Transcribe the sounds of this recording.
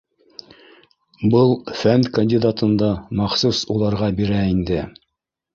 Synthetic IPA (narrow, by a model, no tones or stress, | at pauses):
bɤlˠfænkɐnʲdʲid̪at̪ɤ̆nd̪ɑmɑχsusulˠɑɾʁɑbiɾæind̪ɘ